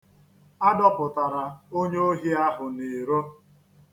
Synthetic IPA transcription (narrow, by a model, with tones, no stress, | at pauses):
a˦dɔ˦pʊ˨ta˨ɾa˨o˦ɲe˦o˦ɦi˦a˦ɦʊ˨ne˨ɾo˦